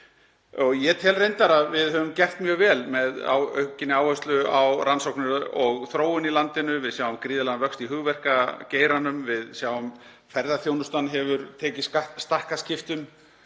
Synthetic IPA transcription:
ɔɣjɛt̪ʰɛlrejnt̪aɾavɪðhœvʏmcɛr̥t̪mjœːɣvɛːlmɛða̰wœhcɪnɪaːwhœst̪lʏawrʔansowknʏɾɔɣθɾoːwʏnilant̪ɪnʏvɪðsjaːwvamkɾiːðɪlaɣavœkst̪iɦʏɣvɛr̥kaceːjɾanʏmvɪðsjaːwvʏm | fɛɾðaθjownʏst̪anɦɛvʏɾt̪ʰɛːcɪskat̪st̪ar̥kascɪft̪ʏm

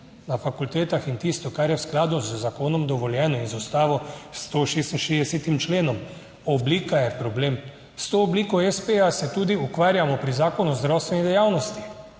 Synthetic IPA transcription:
nafakult̪eːt̪axint̪ist̪ɔkaɾjɛwsklaːd̪uzzakoːnɔmd̪ɔʋɔljɛːnɔinzust̪aːʋɔst̪oːʃeːst̪nʃeːd̪ɛset̪imt͡ʃleːnɔm | ɔbliːkajɛpɾɔbleːm | st̪oːbliːkɔɛspejasɛt̪uːd̪iukʋaːɾjamɔpɾizaːkɔnuzd̪ɾawst̪ʋɛnid̪ɛjaːwnɔst̪i

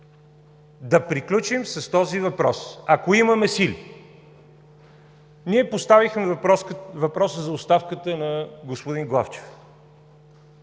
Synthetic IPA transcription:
d̪ɐpɾiklʲut͡ʃimsɐst̪ɔzivɐpɾɔsɐkoimɐmɛsili | niɛpost̪avixmɛ | vɐpɾɔsəzɐost̪afkət̪ənɐɡospʊd̪inɡlˠa̰ft͡ʃɛ̥f

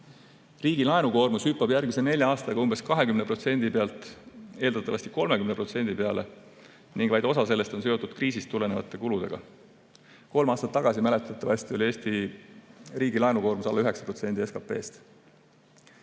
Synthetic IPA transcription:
riːɡ̥ilɑenuko̞ːrmushypːɑb̥jærɡmisene̞lʲjɑɑːst̪ɑɡɑumb̥e̞skɑɦe̞kymnepro̞t̪se̞nd̪̥ipeɑlt̪ˑe̞ːld̪̥ɑt̪ːˑɑvɑsʲt̪i̥ko̞lme̞kymnepro̞t̪se̞nʲd̪̥ipeɑle̞̰ | niŋɡ̥vɑjd̪̥o̞sɑs̬e̞lːe̞st̪o̞ns̬eo̞t̪ːˑud̪̥kriːsist̪ːule̞nevɑ̰t̪ˑːe̞kulud̪̥e̞̰ɡ̥ɑ̰ | ko̞lmɑːst̪ɑt̪ːɑɡ̥ɑsimæle̞t̪ːˑɑt̪ːˑɑvɑsʲt̪io̞lie̞ːst̪i | riːɡilɑenuko̞ːrmusɑlːɑyɦe̞ksɑ̥pro̞t̪se̞nd̪ie̞skɑpːe̞ːst̪

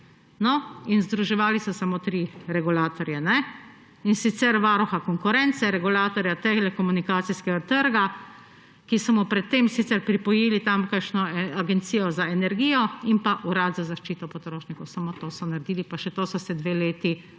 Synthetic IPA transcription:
nɔinzd̪ɾuʒɛʋaːlisɔsamoːt̪ɾiɾɛɡulaːt̪ɔɾjɛnɛ | insit̪sɛɾʋaːɾɔxakɔŋkuɾɛnt̪sɛɾɛɡulaːt̪ɔɾjat̪ɛlɛkɔmunikaːt̪siskɛɡat̪əɾɡa | kisɔmɔpɾɛt̪ːemsit̪sɛɾpɾipɔjeːlit̪amkəkʃnɔaɡɛnt̪siːjɔzaɛnɛɾɡiːjɔimpaʔuɾaːt̪zazaʃt͡ʃiːt̪ɔpɔt̪ɾoːʃnikɔwsamot̪oːsɔnaɾd̪iːlipaʃɛt̪oːsɔsɛd̪ʋeːleːt̪i

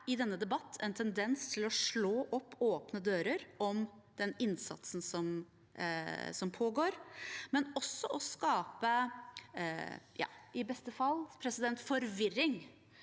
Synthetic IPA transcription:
ɪd̪ɛnːəd̪ɛbɑt̪ʰːɛnt̪ʰɛnd̪ɛnst̪ʰɪlɔʂɭoːʔɔpːoːpnəd̪øːɾəɾʔɔm | d̪̥ɛnɪnsɑ̰t̪sn̩sɔm | sɔmpʰoːɡoːɾmɛnɔsːɔʔɔskɑːpə | jɑ̰ːɪbɛst̪əfɑlːpʰɾɛsɪd̪ɛnt̪fɔɾʋɪɾɪŋ

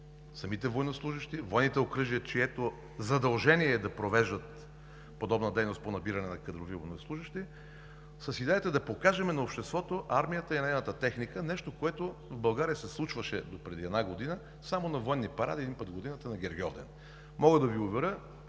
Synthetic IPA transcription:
sɐmit̪ɛvojnoslˠuʒəʃt̪ivɔjnit̪ɛokɾɤʒiət͡ʃiɛt̪o | zɐd̪ɐlˠʒɛniɛd̪ɐpɾovɛʒd̪ət̪ | pod̪ɔbnəd̪ɛjnost̪ponɐbiɾɐnɛnɐkəd̪ɾovivojnoslˠuʒəʃt̪i | səsid̪ɛjət̪əɛd̪ɐpokaʒɛmɛnɐopʃt̪ɛst̪vɔt̪oʔaɾmijət̪əinɛɛnət̪ət̪ɛxnikənɛʃt̪okoɛt̪ovbɐlˠɡaɾijəsɛslˠut͡ʃvəʃɛd̪opɾɛd̪iɛd̪naɡod̪inə | samonɐvɔjnːipɐɾa̰d̪iɛd̪inpəd̪ɡod̪inət̪ənɐɡʲɛɾɡʲɔvd̪ɛ̰n | mɔɡəd̪ɐviovɛɾə

